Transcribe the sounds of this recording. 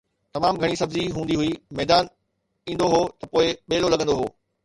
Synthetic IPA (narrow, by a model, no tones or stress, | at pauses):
t̪ɐmaːmɡʱɐɽ̃isɐbziɦũːnd̪iɦʊimɛːd̪aːn | ĩːn̆d̪oɦoːt̪ɐpoːɪɓeːlolɐɠə̃nd̪oɦoː